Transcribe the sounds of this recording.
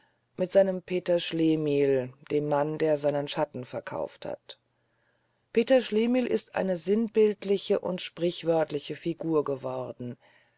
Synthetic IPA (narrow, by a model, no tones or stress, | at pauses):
mɪtz̥aɪnəmpʰeːtɐʃleːmiːld̥eːmːandeːɐzaɪnənʃatn̩fɛɐkʰa̰ʊftha̰t | pʰeːtɐʃleːmiːlʔɪ̰stʔa̰ɪnəzɪnbɪltlɪçəʔʊ̰ntʃpʁ̥ɪçv̥œɐtlɪçəfiɡuːɐɡəvɔʁdn̩